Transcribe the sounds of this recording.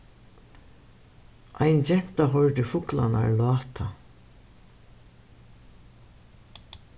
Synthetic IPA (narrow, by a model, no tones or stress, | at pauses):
ʔa̰jnt͡ɕɛm̥t̪aɦɔɹt̪ɪfʊkla̰na̰ɹlɑːt̪ʰa